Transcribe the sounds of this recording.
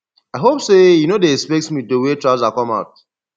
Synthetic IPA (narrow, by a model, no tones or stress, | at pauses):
aɪɦopsejunodeɛkspɛk̚tsmidəwetɹazakɔ̃maʊt̚